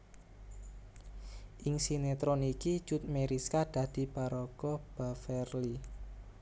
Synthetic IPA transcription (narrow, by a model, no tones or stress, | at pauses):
ʔɪŋsinet̪ɾɔniki̥t͡ʃut̪̚meɾiskad̪̥ä̤d̪̥i̤paɾɔkɔb̥a̤fɛrli